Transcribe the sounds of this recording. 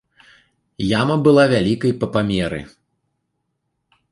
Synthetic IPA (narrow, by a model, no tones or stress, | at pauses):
jamɐbɨlˠavʲalʲikɐjpɐpamʲɛɾɨ̰